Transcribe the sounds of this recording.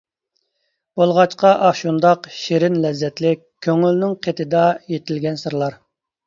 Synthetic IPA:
b̥olˠʁɑt͡ʃqɑʔɑʃund̪ɑqʃeɾɪnlɛzːɛt̪lɪk̚ʲʰːøŋylnɪŋqʰet̪ʰɪd̪ɑjet̪ʰɪlɡʲɛnsɨɾlˠɑɾ

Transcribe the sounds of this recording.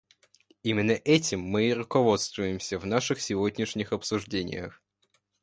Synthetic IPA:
imʲɪnːəʔɛtʲɪmːɨrʊkɐvo̞t̪st̪vʊjɪmsʲəvnaʂɨxsʲɪvodʲnʲɪʂnʲɪxɐpsʊʐdʲenʲɪ̰jə̰x

